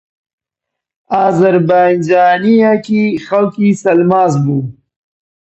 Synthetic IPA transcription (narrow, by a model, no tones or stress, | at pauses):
aːzɐɾbaːnd͡ʒaːnijakixawkisɐlmɑːzbu